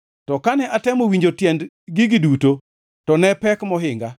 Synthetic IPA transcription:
tɔkanɛʔatɛmowiɲd͡ʒotjɛnd | ɡɪɡɪduto | tɔnɛpɛkmɔɦɪŋɡa

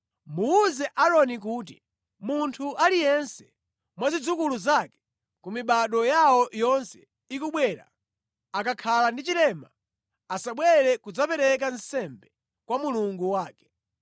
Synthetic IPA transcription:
muːzɛʔaɾɔnik̬uːt̬ḭ | muntʰuʔalijɛnsɛ | mwazid͡zukuluzakɛ̥ | kumiɓaɗɔjawɔjɔnsɛ | ikuɓwɛːɾa̰ | akakʰalandit͡ʃilɛma̰ | asaɓwɛɾɛkud͡zapɛɾɛk̬ansɛmbɛ | kwamuluŋɡuwaːkɛ̥

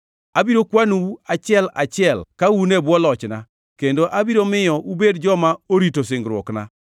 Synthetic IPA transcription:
abiɾokwanuat͡ʃɪɛla̰t͡ʃɪɛlkawunebwɔlɔt͡ʃna̰ | kendoʔabiɾomɪjɔʔubedd͡ʒɔmaoɾitos̬ɪŋɡɾwɔ̰kna̰

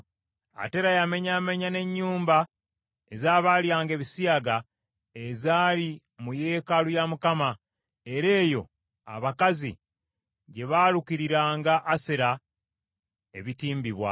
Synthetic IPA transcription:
a̰te̞ɾajame̞ɲame̞ɲane̞ɲːuːmba | ezaːβaːljaːŋɡe̞ːβisiaɡa | ezaːli | muje̞ːkalujamukama | e̞ɾe̞ːjo̞ | a̰βakazḭ | ɟe̞βaːlukiɾiɾaːŋɡaʔːseɾa | e̞βitiːmbiβwa̰

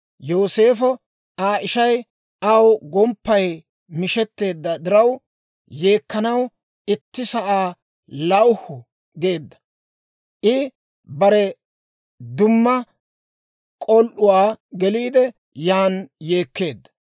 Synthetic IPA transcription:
joːse̞ːfɔ | aːʔɪʃɐj | ʔɐwɡɔmpːɐj | mɪʃɛt̪ːe̞ːd̪ːɐd̪ɪɾɐw | je̞ːkːɐnɐw | ɪt̪ːɪsɐʔaː | lɐwhʊ | ɡe̞ːd̪ːɐ̥ | ʔɪ | bɐɾɛ | d̪ʊmːɐ | kʼɔlʔʊwaːɡɛliːd̪ɛ | jaːnje̞ːkːe̞ːd̪ːɐ̥

